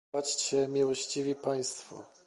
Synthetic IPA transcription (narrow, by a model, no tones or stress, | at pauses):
at͡ɕt͡ɕɛmʲiwɔɕt͡ɕivʲipaj̃st̪fɔ̰